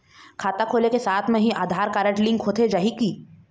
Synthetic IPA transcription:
kʰaːt̪akʰoːlekesaːt̪ʰmẽɦĩʔaːd̪ʱaːɾkaːɾəʈlɪ̃ŋɡkʰoːt̪ʰed͡ʒaɦikiː

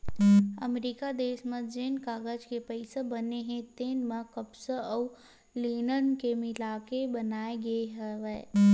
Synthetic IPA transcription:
ə̰meɾikad̪eːʃmə̃d͡ʒeːnkaːɡəd͡ʒkepəɪsebəneɦẽt̪eːnmãkəbsəəw | liːnənkemɪlaːkebənaːeɡəeɦɛʋɛː

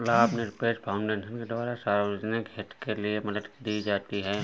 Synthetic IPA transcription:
lapneɾɪpeːspʰaʊ̃ɳɖeːʃənked̪ʋaːɾasaːɾod͡ʒnɪkɦeʈ̪keliemɐd̪ət̪d̪iːd͡ʒaːt̪iɦɛː

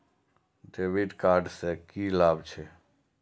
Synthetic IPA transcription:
ɖeːʋiɖkaːɾɖsekilaːbt͡ʃʰe

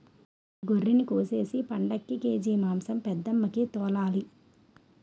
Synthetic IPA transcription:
ɡorːinikoːseːsipɐɳɖɐkːikeːd͡ʒiːmaːmsɐmpɛd̪ːɐmːɐkit̪ɔːlaːli

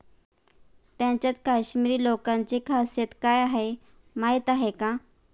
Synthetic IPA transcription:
t̪jãɲt͡ɕjat͡s̪kaɕmiɾiːlokãɲt͡ɕekʰasjet̪kajaɦe | maɦit̪aɦeka

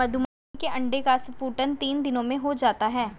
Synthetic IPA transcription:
ɐd̪ʱumaː | keʔɐ̃ɳɖekasfuːʈənt̪iːnd̪ɪnõmẽɦod͡ʒaːt̪aɦɛː

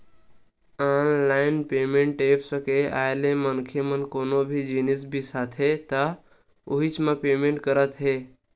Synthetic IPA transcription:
anlaːɪnpeːmẽɳʈeːpsəkea̰ːelemənkʰemənkoːnobʱid͡ʒinisbʱisaːt̪ʰɦet̪a | uɦit͡ʃmãpeːmẽɳʈkəɾət̪ɦe

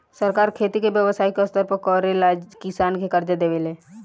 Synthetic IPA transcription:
sɐɾkaːɾkʰeːt̪ikebjəʋsaːikɐst̪əɾpəkɔːɾelaːd͡ʒkɪsaːnkekɐɾd͡ʒed̪eːʋeleː

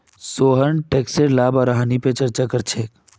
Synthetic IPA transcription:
soːɦənʈekseɾlaːbɔɾɦanipet͡ʃəɾt͡ʃakəɾt͡ʃʰeːk

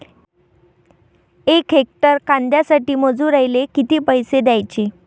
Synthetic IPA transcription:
ekɦek̚ʈəɾkãnd̪jasaʈiːməd͡zũɾajlekit̪iːpəjsed̪jajt͡ɕi

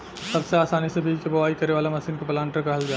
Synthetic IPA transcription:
sɐbseaːsaːnisebʱiːɡkebɐʋaːikɐɾeʋaːlamɐsiːnkepɐlãːɳʈəɾkɐɦəld͡ʒaː

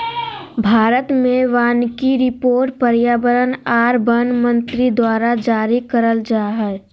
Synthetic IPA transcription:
bʱaːɾət̪mẽʋaːnkiɾɪpoːɾʈ̚pəɾjaːbəɾənaːɾbənmə̃nt̪ɾid̪waːɾad͡ʒaːɾikəɾəld͡ʒaːɦɛ

